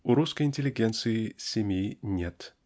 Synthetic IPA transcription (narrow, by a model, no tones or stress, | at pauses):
uɾuskəjɪnʲtʲɪlʲɪɡʲent̪sɨɪsʲɪmʲjinʲet̪